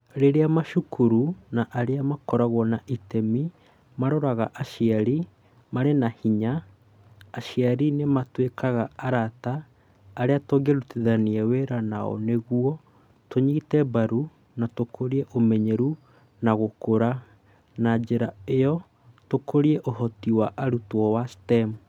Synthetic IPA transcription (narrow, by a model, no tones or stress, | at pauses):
ɾeɾeamaʃukʰuɾunaʔaɾeamakɔɾaɣwɔnaʔitɛmi | maɾɔɾaɣaʔaʃiaɾi | maɾenahiɲaː | ʃiaɾinematwekʰaɣaaɾataː | ɾeatoɡeɾutiðaniɛweɾanaɔ̰neɣuɔ | toɲitɛbaɾu | natokʰoɾiɛʔomɛɲɛɾu | naɣokoɾa | nad͡ʒeɾaejɔ | tokoɾiɛʔoɦɔtiwaʔaɾutwɔwastɛm